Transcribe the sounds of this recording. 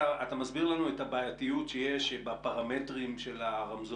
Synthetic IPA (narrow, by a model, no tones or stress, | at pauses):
aat̪amazbiʁlanuethabaːjatijutʃeje̞ʃbapaʁame̞tʁimʃe̞laʁamzo